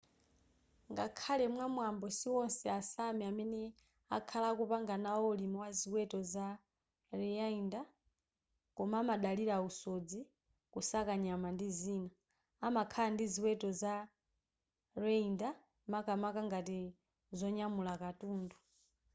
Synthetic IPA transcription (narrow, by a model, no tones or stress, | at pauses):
ŋɡakʰalɛmwamwambɔsiwɔnsɛasamiamɛnɛ | a̰kʰalakupaŋɡanawɔlimɔwaziwɛtɔza | riainda | kɔmaːmaɗaliɾausod͡zi | kusakaɲamandiziːna | amakʰalandiziwɛtɔza | rɛinda | makamakaŋɡati | zɔɲamulakatuːndu